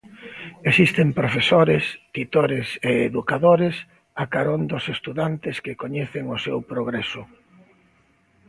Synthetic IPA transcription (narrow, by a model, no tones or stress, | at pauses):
esist̪empɾofesoɾest̪it̪oɾeseːðukaðoɾes | akaɾond̪ʊsest̪uðant̪ɪskɪkoɲeθeŋosewpɾoɣɾesʊ